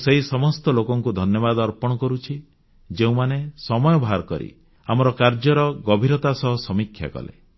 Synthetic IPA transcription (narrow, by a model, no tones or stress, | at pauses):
seɦisɔmɔst̪ɔlokɔŋkud̪ʱɔnjɔbad̪ɔɾpɔɽ̃ɔkɔɾut͡ʃʰi | d͡ʒeũmanesɔmɔjɔbʱaɾkɔɾḭ | amɔɾɔkaɾd͡ʒɔɾɔɡɔbʱiɾɔt̪asɔɦɔsɔmikʰːja̰kɔ̰lḛ